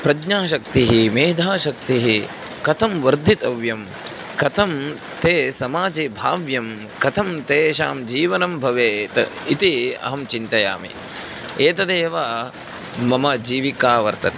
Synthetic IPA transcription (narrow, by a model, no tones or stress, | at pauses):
pɾɐɡɲaːʃɐk̚t̪iɦimeːd̪ʱaːʃɐk̚t̪iɦi | kɐt̪ʰɐmʋɐɾd̪ʱit̪ɐʋjɐm | kɐt̪ʰɐm | t̪eːsɐmaːd͡ʒeːbʱaːʋjɐm | kɐt̪ʰɐmt̪eːʃaːmd͡ʒiːʋɐnɐmbʱɐʋeːt̪ɐit̪iɐ̰ɦɐmt͡ʃint̪ɐja̰ːmḭ | eːt̪ɐd̪eːʋaː | mɐmɐd͡ʒiːʋikaːʋɐɾt̪ɐt̪e̥